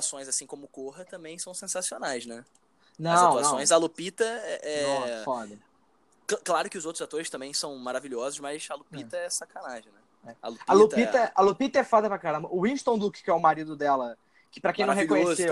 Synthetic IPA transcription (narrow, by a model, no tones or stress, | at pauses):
asõj̃zasĩkõmʊkoɦɐt̪ɐ̃mbẽj̃sɐ̃w̃sẽsasionajznɛ | nɐ̃w̃naɐsõj̃zalupit̪ɐɛʔɛfɔd̪ɐ | klklaɾʊkɪʊzowt̪ɾʊzat̪oɾɪst̪ɐ̃mbẽj̃sɐ̃w̃maɾaviʎɔzʊʃmɐjsɐlupit̪ɐɛsakɐnaʒẽj̃nɛ | ɛɐ̰lupalut̪pit̪ɐalupit̪ɐɛfɔd̪ɐpɾakaɾɐ̃mbɐʊĩʃt̪õw̃d̪ukɪ̥kɪɛʊmaɾid̪ʊd̪ɛlɐ | kɪpɾɐkẽj̃nɐ̃hekkõɲesse